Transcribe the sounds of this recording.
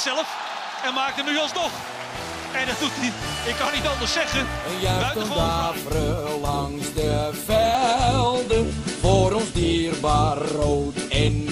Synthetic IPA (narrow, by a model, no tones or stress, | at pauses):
sɛlˠəf | ɛ̃nmaːk̚dəmnyɑlˠsnɔχ | ɛdɔt̚duti | ɪkːɑnitɑ̃nˠd̪əsɛχə | ənjœənʋaːfɾəlɑŋzdəvɛlˠdəvoːɾɔnzdiːrbaːrːowtɛn